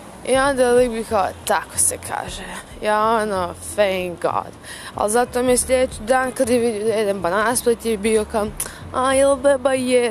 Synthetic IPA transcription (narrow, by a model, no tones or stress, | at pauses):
iond̪alibikaot̪ako̥sekʰa̰ːʒe | jaːonofẽjŋkɡɔ̰d̪ | a̰lˠzat̪oːmieslʎʲed̪et͡ʃid̪aːnkad̪jeʋid̪iojed̪enpanaspˠet̪jebioka | ajɛlbɛbajɛ